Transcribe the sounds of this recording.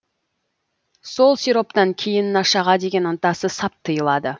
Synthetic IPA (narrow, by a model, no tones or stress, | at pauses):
so̞lˠsiɾo̞p̚t̪ɑŋkʲʰejɪnːɑʃɑʁɑd̪e̞ɡʲe̞nənt̪ɑsəsɑp̚t̪ʰːəjəlˠɑd̪ə